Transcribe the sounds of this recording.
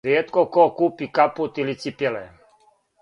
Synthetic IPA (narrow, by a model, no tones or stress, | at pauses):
ɾjeːt̪kokokuːpikaput̪ilit̪sipjelɛ